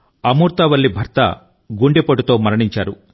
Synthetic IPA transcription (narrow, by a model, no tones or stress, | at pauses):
ɐmuːɾt̪ɐʋɐɭːibʱɐɾt̪ɐ̰ | ɡuɳɖepɐʈut̪o̞ːmɐɾɐɳiɲt͡ʃaːɾu